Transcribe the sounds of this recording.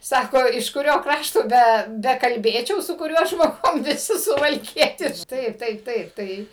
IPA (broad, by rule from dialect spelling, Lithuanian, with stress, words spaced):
ˈsɑːkoː ɪʃ kʊˈrʲoː ˈkrɑːʃtoː ˈbʲɛ bʲɛkɐlʲˈbʲeːt͡ʃʲɛʊ sʊ kʊˈrʲuɔ ʒmoːˈɡʊm ʋʲɪˈsʲɪ sʊʋɐlʲˈkʲiɛtʲɪʃk ˈtɐɪp ˈtɐɪp ˈtɐɪp ˈtɐɪ